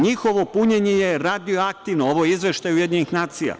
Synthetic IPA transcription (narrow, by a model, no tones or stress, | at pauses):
ɲixo̞ʋo̞puɲeɲejeɾad̪ijoakt̪iʋnooʋojeizʋe̞ʃt̪ajeujed̪ɲenixnaːt̪sija̰